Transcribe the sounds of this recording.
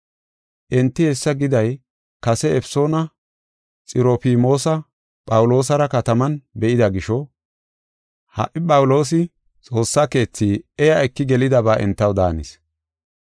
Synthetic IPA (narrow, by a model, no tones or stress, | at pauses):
ʔɛnt̪ːɪhɛsːɐɡɪd̪ɐj | kɐsɛɛfso̞ːnɐ | t͡sʼɪɾoːfiːmo̞ːsɐ | pʼɐwʊlo̞ːs̬ɐɾɐkɐt̪ɐmɐnbɛʔɪd̪ɐɡɪʃɔ | hɐ̰ʔɪpʼɐwʊlo̞ːs̬ɪ | t͡sʼo̞ːsːake̞ːt͡sːiːɛjɐjkːɪɡɛlɪd̪ɐbaːʔɛ̰nt̪ːɐwd̪a̰ːnɪ̰s